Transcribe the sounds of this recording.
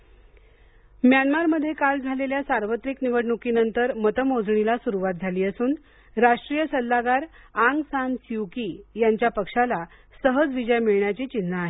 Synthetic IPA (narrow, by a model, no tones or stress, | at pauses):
mjanmaɾməd̪ʱːjekald͡zʱaleljasaɾʋət̪ɾikniʋəɽɳukinənt̪əɾmət̪əmod͡zɳilasuɾuʋat̪̚d͡zʱaliːəsuːn | ɾaʂʈɾijəsəlːaɡaɾaŋɡsansiʋkiːjaɲt͡ɕjapəkʂala | səɦəd͡zʋid͡ʑəjmiɭɳjat͡ɕiːt͡ɕinːaaɦe